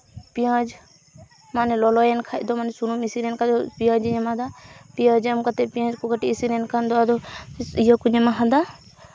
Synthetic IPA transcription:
pijãd͡ʒ | manɛlɔlɔjɛnkʰaʔd̪ɔmanɛsunumisiɾɛnkapijãd͡ʒiɲɛmad̪apijãd͡ʒɛmkat̪ɛpijãd͡ʒkɔkaʈiːsiɾɛnkʰand̪ɔad̪ɔijɔkuɲɛmaɦad̪a

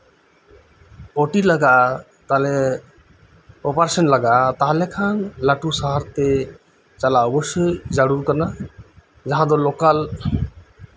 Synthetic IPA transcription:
ɔʈilaɡaʔ | t̪alɛ | ɔpaɾesɔnlaɡaʔt̪aɦalɛkʰanlaʈusaɦaɾt̪ɛ | t͡ʃalaɔbɔsɔjd͡ʒaɽuɾkana | d͡ʒaɦãd̪ɔlɔkal

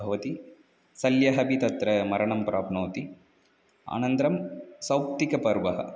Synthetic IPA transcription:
ɐʋɐt̪i | sɐljɐɦɐbit̪ɐt̪ɾɐmɐɾɐɳɐmpɾa̰ːpnoːt̪i | a̰ːnɐnt̪ɾɐmsɐwpt̪ikɐpɐɾʋɐɦɐ̰

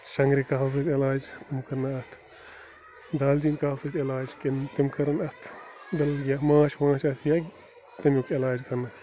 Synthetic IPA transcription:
ʃɐŋɡɾikaɦws̬ɐt̪ɪlaːd͡ʒt̪ɪmkɐɾnɐɐt̪ʰ | d̪aːld͡ʒiːnkaːwsɐt̪ɪlaːd͡ʒkint̪imkɐɾɐnɐt̪ʰbɪlɡʲjɐmãːʃʋãːʃɐsjɐɡ | t̪ɐmjukɪlaːd͡ʒkɐnɐs

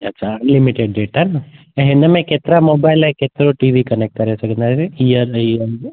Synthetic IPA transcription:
ɐtːʃʰaɐnlimiʈeɖɖeːʈanə̃ | ɦẽnd̪əmẽket̪ɾamoːbaɪlaeket̪ɾoʈiʋikənek̚ʈ̚kəɾesəkə̃nd̪aɾeijəɾiə

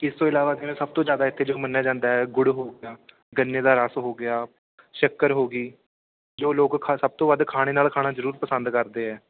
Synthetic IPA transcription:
ɪst̪õːɪlaːʋaːd̪enẽːsəb̚t̪õːd͡ʒjaːd̪aːɪt̪ʰːeːd͡ʒoːmənːaːd͡ʒãːnd̪aːɦɛːɡʊɽɦoːɡɪjaː | ɡənːeːd̪aːɾasɦoːɡɪjaː | ʃəkːəɾɦoːɡiː | d͡ʒoːloːɡkʰsəb̚t̪õːʋəd̪kʰaːɽ̃eːnaːlkʰaːɽ̃aːzəɾuːɾpəsə̃nd̪kəɾd̪eːɦɛː

